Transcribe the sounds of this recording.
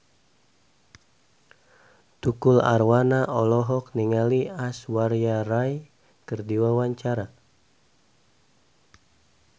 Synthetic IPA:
t̪ukula̰rwanaʔɔlɔɦɔk̚niŋaliaswarjaraj | kərdiwawaɲt͡ʃaɾa

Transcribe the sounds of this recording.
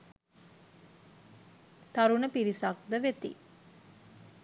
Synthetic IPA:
t̪aɾunəpiɾisak̚d̪əʋet̪ḭ

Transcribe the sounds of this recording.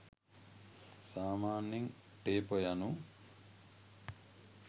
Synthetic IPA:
saːmaːnːiŋ | ʈeːpojanu

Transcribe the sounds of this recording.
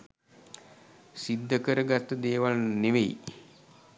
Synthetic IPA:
sid̪ːəkəɾəɡat̪ːəd̪eːʋalneʋej

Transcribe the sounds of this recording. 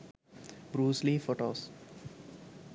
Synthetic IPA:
bɾuːslifoʈoːs

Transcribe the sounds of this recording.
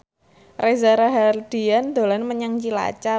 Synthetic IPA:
rezaɾaɦard̪̥i̤and̪̥o̤lanməɲaŋt͡ʃila̰t͡ʃa

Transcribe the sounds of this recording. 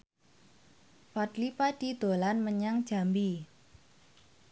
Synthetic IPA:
fat̪lipad̥id̪̥o̤lanməɲaŋd̥ʒ̥a̤mbi

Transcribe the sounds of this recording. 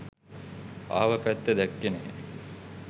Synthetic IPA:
a̰ːʋəpæt̪ːed̪ækːenḛ

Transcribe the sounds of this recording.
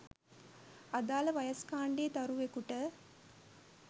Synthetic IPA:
ad̪aːləʋɐjɐskaːɳɖeːt̪ɐɾuʋekuʈə

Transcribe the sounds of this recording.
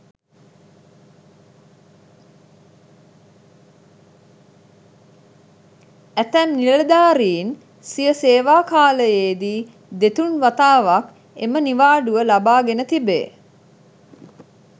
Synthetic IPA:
æt̪ɛmniləd̪aːɾiːn | sijəseːʋaːkaːləjeːd̪iː | d̪et̪unʋat̪aːʋak | ḛməniʋaːɖuʋəlabaːɡenət̪ibḛː

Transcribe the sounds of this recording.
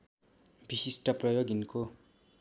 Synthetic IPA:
bisisʈʌprʌjoɡinko

